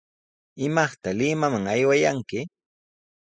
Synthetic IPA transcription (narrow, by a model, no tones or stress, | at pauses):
ɪmɑχt̪alɪmamaŋajwajaŋkɪ